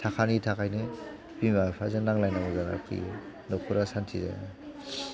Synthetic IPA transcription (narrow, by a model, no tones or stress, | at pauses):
tʰakʰanitʰakʰajnɯ | bimapʰazɯnaŋlajnaŋɯzana̰kʰḭjɯ | nɔkʰuɾasantʰiza̰j̰na